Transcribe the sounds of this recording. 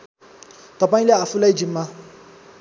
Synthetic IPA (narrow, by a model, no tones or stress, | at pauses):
t̪ʌpãĩleafulaid͡ʒimːa